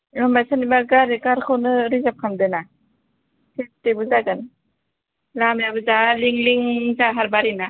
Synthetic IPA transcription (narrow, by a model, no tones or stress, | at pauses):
lɔmajsanibaɾɡaɾikaɾkʰɯwnɯɾizap̚kʰamd̪ɯna | sʰestebuzakan | lamjabɯzaliŋliŋzaɦaɾbaɾina